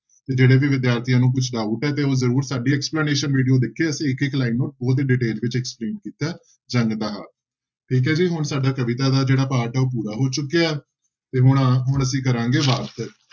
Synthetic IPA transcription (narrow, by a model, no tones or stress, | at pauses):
t̪eːd͡ʒeːɽeːʋiːʋɪd̪jaːɾt̪ʰijãːnũːk̬ʊt͡ʃʰɖaːʊʈɛːt̪̬eːoːzəɾuːɾsaːɖiːɛːkspləːneːʃənʋiːɖijoːd̪ɪkʰːeːəsĩːɪkɪklaːinːoːʈ̚bɔːt̪̬eːɖɪʈeːld͡ʒʋɪt͡ʃɛːkspleːnkiːt̪aː | d͡ʒəŋɡt̪aɦa̰ː | ʈʰiːk̬ɛːd͡ʒiːɦʊɳsaːɖaːkəʋɪt̪aːd̪aːd͡ʒeːɽaːpaːɾʈɛːoːp̬uːɾaːɦoːt͡ʃʊkːejaːɛː | t̪eːɦʊɳɦʊɳ̃əsĩːk̬əɾãːŋɡeːʋaːɾt̪ɛː